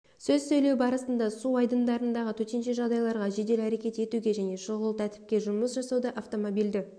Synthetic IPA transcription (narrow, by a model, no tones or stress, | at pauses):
sɵzsɵjle̞wbɑɾəsənd̪ɑsuɑjd̪ənd̪ɑɾənd̪ɑʁət̪ʰɵɾt̪e̞nʃe̞ʒɑʁd̪ɑjlˠɑɾʁɑʒe̞d̪e̞læɾe̞kʲe̞t̪e̞t̪uɡʲe̞ʒæne̞ʃoʁəlˠt̪ʰæt̪ɪ̥p̚kʲe̞ʒʊməsʒɑsɑwd̪ɑʔɑft̪o̞mo̞bild̪ɪ